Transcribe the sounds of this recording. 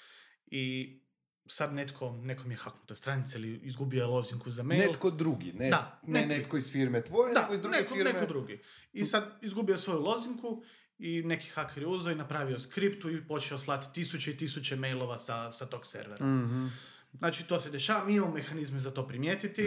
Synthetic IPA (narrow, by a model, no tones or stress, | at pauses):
i | sad̪ne̞t̪kʰo̞neko̞mijexaknut̪ost̪ɾanit̪seliizɡubioelˠo̞ziŋkuzamenjelkod̪ɾuɡḭned̪anenet̪koisfiɾmet̪ʋojed̪akoiznekɾnekod̪ɾuɡi | isad̪izɡubiosʋo̞julˠo̞ziŋku | ine̞ki̥xakʰeɾiuzoinapɾaːʋio̞skɾipt̪uipo̞t͡ʃeoslˠat̪i̥t̪isut͡ʃeit̪isut͡ʃeme̞jlˠo̞ʋasasat̪o̞ksḛɾʋeɾa | znaːt͡ʃit̪o̞se̞d̪eʃaːʋamimamome̞xanizmezat̪o̞pɾimjeːt̪it̪i